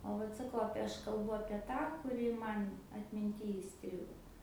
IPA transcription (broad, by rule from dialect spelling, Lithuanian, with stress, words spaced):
oː ˈʋɐt sɐˈkɐʊ ˈɑːpʲiɛ ˈɐʃ kɐlˠˈbʊ ɐpʲiɛ ˈtɑː kʊˈrʲɪ ˈmɐn ɐtʲmʲɪnʲˈtʲiː iːˈsʲtʲrʲɪɡoː